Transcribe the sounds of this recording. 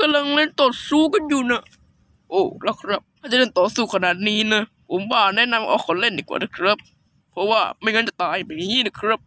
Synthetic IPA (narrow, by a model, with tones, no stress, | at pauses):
ka˧mla˧ŋle˧˥˩nt̪o˨˩t̪̚suː˧˥ka˧˨njuː˨˩na˧˥˩ | ʔoː˨˩la˧˩kʰɾa˦˥p̪̚ʰːaː˥˩t͡ɕa˨le˥˩nt̪ɔː˨˩suː˨˩kʰa˧na˨˩t̪̚niː˦˥na˦˥ | pʰo˨˦mwaː˧˩nɛ˦˧˥na˧mʔɔ̰ː˨˩kʰːɔ˨˧˦nle˥˩˨ndiː˨˩kwa̰ː˨˩na˦˥˩kʰɾa˦˥p̚ | pʰɾɔ˦˥waː˧˥˩ma˥˩jŋɤː˧˥nt͡ɕa˨˩t̪aː˧ja˨˩ma˨˩ŋiː˦˥˨na˦˧˩kʰɾa˦˥p̚